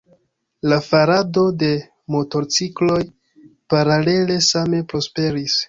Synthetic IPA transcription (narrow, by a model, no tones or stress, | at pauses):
lafaɾado̞de̞ | mo̞to̞ɾt͡siklo̞j | paɾale̞le̞same̞pɾo̞spe̞ɾis